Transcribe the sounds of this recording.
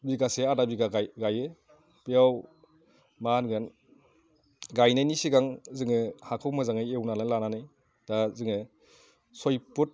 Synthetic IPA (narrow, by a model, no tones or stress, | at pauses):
biɡaseadabiɡaɡajɡajɯ | pijaw | manɡɯn | ɡajnajnisiɡaŋzɯŋɯhakʰɯwmɯzaŋɯjewnalalananɯj | d̥azɯŋɯ | sojput̚